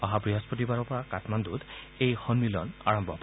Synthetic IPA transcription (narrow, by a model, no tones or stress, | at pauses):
aɦapɹiɦɔspɔt̬ibaɹɔpɔɹakatmandud̪ | ejxɔnmilɔ̰na̰ɹɔmbʱɔp